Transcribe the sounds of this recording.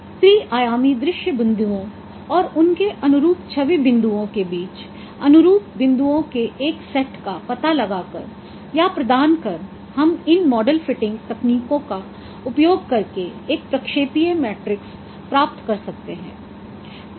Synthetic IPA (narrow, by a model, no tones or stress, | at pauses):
t̪ɾiːʔaːjaːmid̪ɾɪʃjəbɪ̃nd̪uõ | ɔːɾʊnkeʔɐnʊɾuːpt͡ʃʰɐʋibɪ̃nd̪uõkebiːt͡ʃ | ɐnʊɾuːp̚bɪ̃nd̪uõkeʔeːksɛʈkapɐt̪alɐɡakɐ̰ɾ | japɾɐd̪aːnkɐɾ | hɐmɪnmɔːɖəlfɪʈɪ̃ŋɡt̪ɐkniːkõka | ʊpjoːɡ̚kɐɾkeeːk̚pɾɐkʃeːpijemɛːʈɾɪks | pɾaːpt̪kɐɾsɐk̚t̪eɦɛ̰̃ː